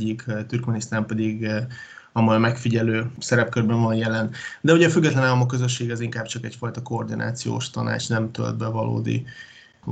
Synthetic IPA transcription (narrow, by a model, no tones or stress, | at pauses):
ɟːikt̪yrkmɛnist̪aːmpɛd̪iɡ | ɒmojɒmɛkfiɟɛløːsɛɾɛp̚kørbɛnvɒnjɛlɛnd̪ɛuɟɛːfyɡːɛt̪lɛnaːlɒmokːøzøʃːeːɡɛɛziŋkaːbt͡ʃɒkɛcfɒjt̪ɒko̞ːrd̪inʔa̰ːt̪sijo̰ːʃt̪ɒna̰ːt͡ʃnɛmt̪ø̰ld̪̚bɛvɒlo̰ːd̪ḭ